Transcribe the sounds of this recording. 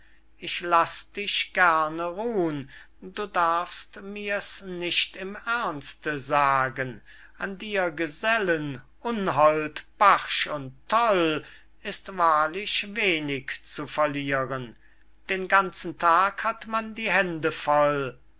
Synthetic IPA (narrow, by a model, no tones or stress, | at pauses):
ʔɪʃlasd̥ɪʃɡ̥ɛɐnəʁuːən | duːdaɐfstmiːɐsnɪʃtɪmɛɐnstəzaːɡən | ʔandiːɐɡəzɛlən | ʔʊnɦɔltb̥aʁʃʊntʰːɔl | ɪstvaːɐlɪʃveːnɪkt͡sufɛɐliːʁən | d̥eːnɡant͡sn̩tʰaːkhatmandiːhɛndəfɔl